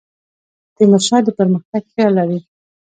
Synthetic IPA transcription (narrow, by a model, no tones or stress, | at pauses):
d̪̥ənaʃɑd̪əpəɾməxt̪aɡpjɑlaɾi